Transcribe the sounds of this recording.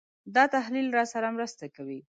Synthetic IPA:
d̪ɑt̪aɦlilɾɑsaɾamɾəst̪akawi

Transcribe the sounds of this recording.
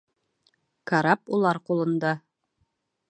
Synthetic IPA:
kaɾɑpulˠɑɾqulˠɤ̆nd̪ɑ

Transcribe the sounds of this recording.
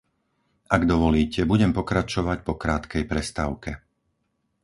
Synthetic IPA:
ʔaɡd̪ɔʋɔliːcɛbuɟɛmpɔkɾat͡ʃɔʋacpɔkɾaːt̪kɛjpɾɛst̪aːʊkɛ

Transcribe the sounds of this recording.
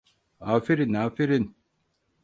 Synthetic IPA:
aːfiɾinaːfiɾin

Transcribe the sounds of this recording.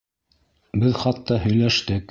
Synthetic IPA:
bɘðχɑt̪ːɑɦɵ̆jlæʃt̪ɘk

